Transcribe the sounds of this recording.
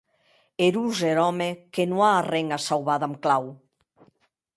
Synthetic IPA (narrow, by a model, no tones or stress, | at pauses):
eɾuzeɾɔmekenũaːreŋasawβaðamklaw